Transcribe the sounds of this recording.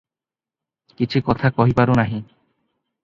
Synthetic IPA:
kit͡ɕʰukɔt̪ʰakɔɦipaɾonaɦĩ

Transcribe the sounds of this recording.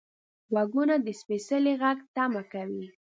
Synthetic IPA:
ɣaɡunad̪əspesəleɣaɡt̪amakawi

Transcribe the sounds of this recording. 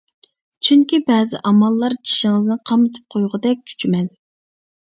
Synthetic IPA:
t͡ʃʰyŋkʲibɛːzɪ̰ʔɑmɑlˠːɑɾd͡ʒʰi̥ʃiŋɨznɨqʰɑmɨt̪ʰɨ̥p̚qʰojʁəd̪ɛk̚ʲt͡ʃʲʰy̥t͡ʃʰymɛl

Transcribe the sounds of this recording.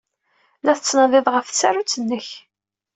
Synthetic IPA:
læθət͡sːnɑðˤɪðˤʁəfθsærut͡sːənːəç

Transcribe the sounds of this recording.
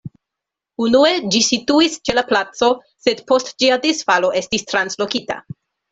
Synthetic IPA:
unue̞d͡ʒisituist͡ʃe̞laplat͡so̞ | se̞d̪po̞std͡ʒiad̪isfalo̞ʔe̞stistɾanslo̞kita̰

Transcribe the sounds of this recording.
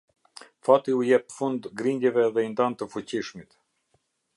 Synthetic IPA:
fat̪iujɛp̚fund̪ɡɾind̪jɛvɛðɛind̪ant̪əfut͡ɕiʃmit̪

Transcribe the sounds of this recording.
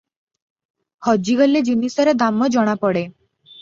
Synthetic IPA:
hɔd͡ʒiɡɔlːed͡ʒinisɔɾed̪amɔd͡ʒɔɽ̃apɔɽe

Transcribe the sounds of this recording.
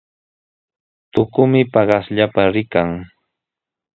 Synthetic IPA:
t̪ʊkʊmɪpɑɢɑsʎapaɾɪkaŋ

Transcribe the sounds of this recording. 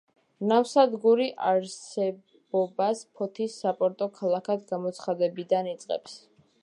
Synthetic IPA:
nafsad̪ɡuɾiʔaɾsɛ | bɔbaspʰɔt̪ʰisːapʼɔɾt̪ʼɔkʰalˠakʰad̪ɡamɔt̪sʰχad̪ɛbid̪anit̪sʼqʼɛ̰ps

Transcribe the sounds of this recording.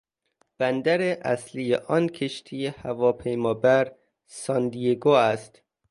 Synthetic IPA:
b̥ænd̪æɾeʔæslijḛʔɒnkʰeʃt̪ʰijehævɒːpʰejmɒːbæɾ | sɒnd̪ijeɡoːæst̪

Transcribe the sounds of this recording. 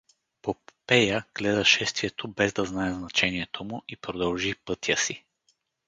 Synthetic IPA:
popɛjəɡ̥lɛd̪əʃɛst̪viɛt̪obɛzd̪ɐznaɛznɐt͡ʃɛniɛt̪ʰomʊʔipɾod̪ɐlˠʒipɤt̪jəsi

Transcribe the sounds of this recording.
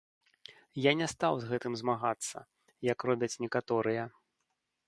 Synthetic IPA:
janʲɛst̪awzɣɛt̪ɨmzmaɣat̪sːɐ̰ | jɐkrɔbʲɐt͡sʲnʲɛkat̪ɔɾɨjɐ

